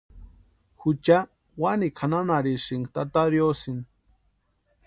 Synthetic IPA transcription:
hut͡ʃa | wanikʰananaɾiʂiŋt̪at̪aɾjosin

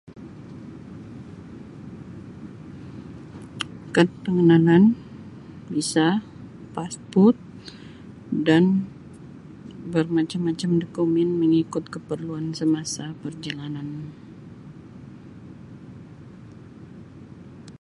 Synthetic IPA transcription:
kəp̪əŋənanan | bisa | paspʊt̪̚ | dan | bərmat͡ʃamːat͡ʃamdəkumɛnməŋikʊt̪̚kəpərluansəmasapərd͡ʒalanan

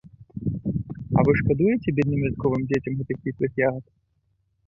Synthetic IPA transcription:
ɐ̰vɨʂkad̪ujet͡sʲɛbʲɛd̪nɨmlʲɛt̪̚kɔvɨmd͡zʲet͡sʲɐmɣɛt̪ɨxpʲitlˠɨxjaɐt̪

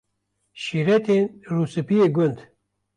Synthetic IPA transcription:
ʃiɾet̪ʰenɾusɨpijeɡʊnd̪

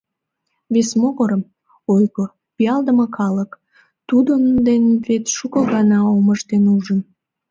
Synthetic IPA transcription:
βesmoɣoɾəm | ojɣo | pijɑld̪əməkɑlək | t̪ud̪ənd̪envet̪ʃukəɣɑnɑoməʃt̪enuʒən

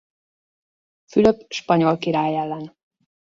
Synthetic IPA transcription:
fyløpʃpɒɲo̞lkiɾaːjɛlːɛn

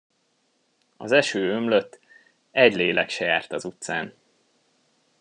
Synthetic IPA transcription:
ɒ̰zɛʃøːømløt̪ː | ɛɟleːlɛkʃɛja̰ːrt̪ɒzut̪saːn

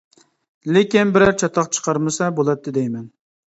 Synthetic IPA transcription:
lekʲinbɪɾɛɾt͡ʃʰɑt̪ʰːɑqt͡ʃʰə̥qʰɑɾmɨsɛbolˠɑt̪ʰːɪd̪ɛjmɛn

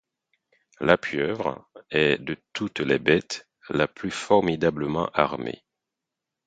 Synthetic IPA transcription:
lapʰœvʁɛd̪ət̪ʰut̪lɛbɛt̪ | laplyfɔʁmid̪abləmɑ̰̃ʔaʁmḛ

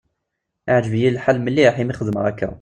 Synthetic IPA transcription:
aʕd͡ʒəvjillħalːməlːiħimiχəd̪əməʁækːæ̰

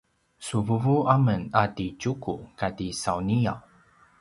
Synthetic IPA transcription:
suvuvuamənadit͡ʃukukadisawniaw

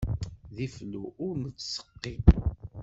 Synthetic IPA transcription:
ðifluʊɾmət͡sːsə̥qːi

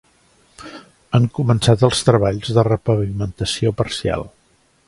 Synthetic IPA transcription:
əŋkumənsat̪əlˠst̪ɾəβaʎzðərəpəβimənt̪əsiopəɾsia̰lˠ

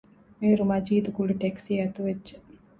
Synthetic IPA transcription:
meːɾumɐd͡ʒiːd̪uɡuɽiʈeksiɛt̪uʋedːd͡ʒe

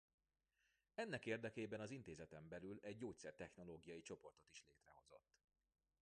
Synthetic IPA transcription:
ɛnːɛkeːrd̪ɛkeːbɛnɒzint̪eːzɛt̪ɛmbɛlylɛɟːoːc̚t̪sɛrt̪ɛxno̞loːɡijɒjit͡ʃo̞po̞rt̪o̞t̪iʃleːt̪rɛho̞zo̞̰t̪ː

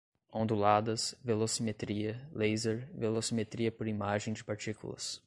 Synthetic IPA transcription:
õnd̪ulad̪ɐsvelosimet̪ɾiɐlejzeɾvelosimet̪ɾiɐpʊɾimaʒẽj̃d͡ʒɪpaɾt͡ʃikṵlɐ̰s

